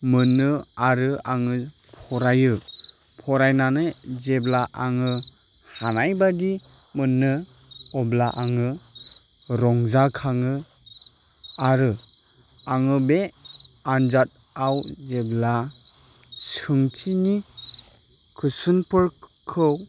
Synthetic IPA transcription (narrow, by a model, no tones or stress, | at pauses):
mɯnːɯaɾɯaŋɯ | pʰɔɾajɯ | pʰɔɾajnanɯzeblaʔaŋɯ | hanajbadimɯnːɯ | ɔblaʔaŋɯ | ɾɔŋzakʰaŋɯ | aɾɯ | aŋɯbeanzat̚ | awzebla | sɯŋtʰini | kʰɯsɯnpɯɾkʰɯw